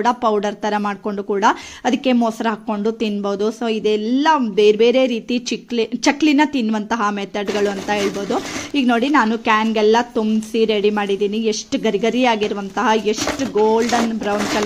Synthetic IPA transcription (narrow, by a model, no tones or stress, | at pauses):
ɽɐpɐwɖɐɾt̪ɐɾɐmaːɖ̚ko̞ɳɖukuːɽɐɐd̪ɐkːe̞moːsɐɾɐɦɐkːo̞ɳɖut̪inboːd̪usoːid̪ɛlːɐbeːɾbe̞ːɾe̞ɾiːt̪it͡ʃiklit͡ʃekːlinːɐt̪inːʋɐnt̪ɐɦɐmeːt̪ːɐɖɡɐɭuɐnt̪ɐɦe̞ːɭbo̞ːd̪uiːɡno̞ːɽinaːnukaːnɡɛlːɐt̪umsiɾeɽimaːɽid̪iːnieʂʈuɡɐɾiɡɐɾijaːɡiɾʋɐnt̪ɐɦɐe̞ʂʈuɡoːlɖɐnbɾɐwnkɐ